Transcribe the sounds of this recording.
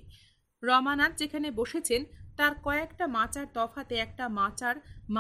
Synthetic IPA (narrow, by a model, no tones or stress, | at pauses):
ɾɔmanat̪̚d͡ʑekʰaneboʃet͡ɕʰent̪aɾkɔekʈamãt͡ɕaɾd̪ɔfat̪eɛk̚ʈamat͡ɕaɾma